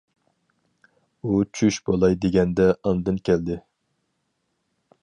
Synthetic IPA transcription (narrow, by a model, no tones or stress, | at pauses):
ut͡ʃʰyʃbolˠɑjd̪eɡʲɛnd̪ɛʔɑnd̪ɨnkʲʰɛld̪ɪ